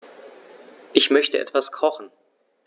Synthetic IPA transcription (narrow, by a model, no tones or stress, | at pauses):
ʔɪçmœçtəʔɛ̰tv̥askʰɔχn̩